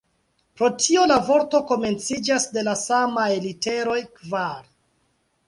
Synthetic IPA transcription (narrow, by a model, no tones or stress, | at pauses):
pɾo̞tʰio̞lavo̞ɾto̞ko̞me̞nt͡sid͡ʒasde̞lasamajlite̞ɾo̞jkvaɾ